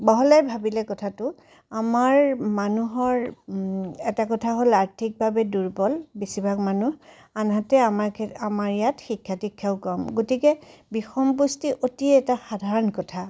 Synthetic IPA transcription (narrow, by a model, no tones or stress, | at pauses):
bɔɦɔlajbʱabilɛkɔtʰatʊ | amaɹmanuɦɔɹ | ɛtakɔtʰaɦolaɹtʰik̚bʱabɛduɹbɔlbisibʱakmanuh | anɦatɛamaɹkʰamaɹijatxikʰːatikʰːaʊkɔmɡotikɛbixɔmpustiʔotiɛtaxadʱaɹɔnkɔtʰa